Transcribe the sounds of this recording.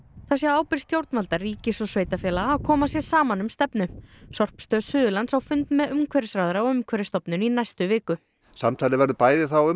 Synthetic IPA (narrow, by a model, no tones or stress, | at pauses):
θasjɛaːwpɪɾ̥st̪jowɾt̪nmalt̪ariːcɪsɔsveːjt̪afjɛːlaːkʰɔːmasjɛ̥saːmanʏmst̪ɛpnʏsɔr̥pst̪œːðsʏːðʏlant̪sawfʏnt̪mɛðʏmkʰvɛɾɪsɾawðʏɾaɔʏmkʰɛɾɪst̪ɔpnʏninajst̪ʏvɪːkʏ | sa̰mt̪ʰajlɪvɛɾðʏpaːjðɪθawʏ